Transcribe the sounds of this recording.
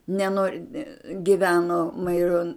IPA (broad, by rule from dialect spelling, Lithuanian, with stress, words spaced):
nʲɛˈnoːrʲ ɡʲɪˈʋʲæːnoː mɐɪˈroːn